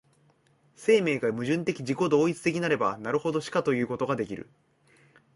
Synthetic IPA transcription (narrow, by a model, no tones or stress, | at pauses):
se̞ːme̞ːɡamɯ̟ʑɨ̃nt̪e̞kʲid͡ʑiko̞d̪o̞ːit͡sɨ̥t̪e̞kʲinaɾe̞banaɾɯ̟ho̞d̪o̞ɕi̥kat̪o̞jɯ̟ːko̞t̪o̞ɡad̪e̞kʲiɾɯ̟̰